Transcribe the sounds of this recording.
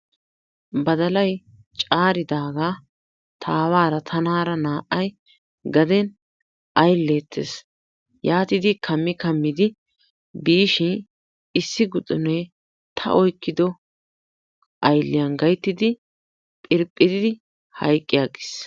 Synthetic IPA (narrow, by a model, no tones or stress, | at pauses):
bɐd̪ɐlɐj | t͡ʃʼaːɾɪd̪aːɡaː | t̪ʰaːwaːɾɐt̪ʰɐnaːɾɐnaːʔɐj | ɡɐd̪ɛn | ʔɐjlːeːt̪ʰːḛs | jaːt̪ɪd̪ɪkʰɐmːɪkɐmːɪd̪ɪ | biːʃɪ | ɪsːɪɡʊt̪ʼːʊne | t̪ʰɐ̰ʔɔjkːɪd̪ɔ | ʔɐjlːɪjɐnɡɐjt̪ːɪd̪ɪ | pʼɪɾpʼːɪd̪ɪd̪ɪ | hɐjkʼːɪjaːɡɪ̥s